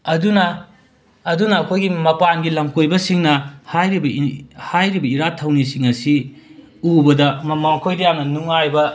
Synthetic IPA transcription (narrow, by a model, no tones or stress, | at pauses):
ɐdunɐː | dunɐːkʰojɡimɐpanɡilɐmkojbɐsiŋnɐhajɾibɐhajɾibɐiɾatʰːɐwnisiŋɐsi | ubɐdɐmɐmɐmɐkʰojdɐjamnɐnuŋajbɐ